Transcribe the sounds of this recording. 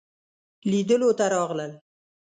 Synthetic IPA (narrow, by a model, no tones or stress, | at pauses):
lid̪əlot̪aɾɑʁlal